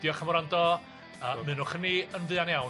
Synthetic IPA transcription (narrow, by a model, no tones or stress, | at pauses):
djɔχəmɔɾandɔ | əːmɨnʊχəniənvɨanjaw